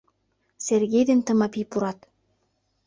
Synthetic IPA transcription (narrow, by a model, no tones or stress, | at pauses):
serɣʲejd̪ent̪ə̆mɑpipuɾɑt̪